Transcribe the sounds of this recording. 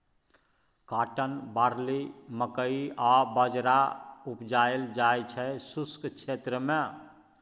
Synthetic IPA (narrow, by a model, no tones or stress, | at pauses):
kaʈənbaɾliməkəiabəd͡ʒɾaupd͡ʒaeld͡ʒajt͡ʃʰɛsuskt͡ʃʰet̪ɾəmẽ